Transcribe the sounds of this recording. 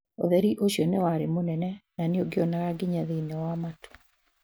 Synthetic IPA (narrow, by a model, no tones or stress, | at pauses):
o̰ðɛɾiʔoɕjɔnewaɾemonɛnɛnaneoɡeɔnaɣaɡiɲaðinɛwamato̥